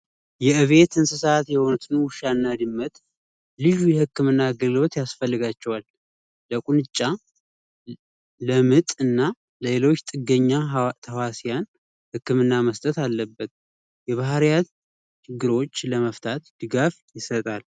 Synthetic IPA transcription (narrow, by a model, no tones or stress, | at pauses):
jɛʔɨβe̞t̪ɨnsɨsat̪jɛhont̪ɨnuwʃanːad̪ɨmːət̪ʼ | lɨʒujɛhɨkːɨmɨnːaːɡəlɡɨlo̞t̪jasfəlːɨɡat͡ʃːɛwalː | əkʼunɨt͡ʃʼːa | ləmɨt̪ʼɨnːa | ləelo̞t͡ʃːt̪ʼɨɡəɲːat̪ʰəwasijan | hɨkːɨmɨnːaməst̪ʼət̪alːəbːət̪̚ | jɛβahɾja | t͡ʃʰɪɡːɨɾo̞t͡ʃːləməft̪ʰat̪d̪̥ɨɡafjɪsət̪ʼal